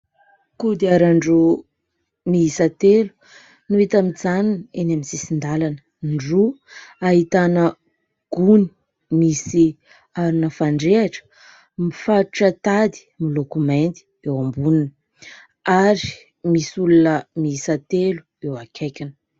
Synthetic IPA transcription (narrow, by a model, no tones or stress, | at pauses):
kud̪iaɾaɳɖ͡ʐu | miɦisat̪elu̥ | nuet̪amid͡zaninenamisisind̪alanə | ɳɖ͡ʐuaɦit̪anə | ɡ̥uni̥ | misi | aɾunəfaɳɖ͡ʐeaʈ͡ʂə̥ | mifaɾuʈ͡ʂət̪ad̪i̥milokument̪i̥ewambuninə | aɾi | misulunəmiisat̪elu̥ | ewakʲʰejkʲinə̥